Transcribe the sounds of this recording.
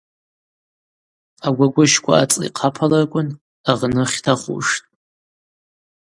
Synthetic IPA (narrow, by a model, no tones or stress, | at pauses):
aɡʷaɡʷʊʃkʷʰa̰at͡sʼḭqʰapʰalarkʷʼʊn | aʁnɨχʲtʰaχṵʂtʼ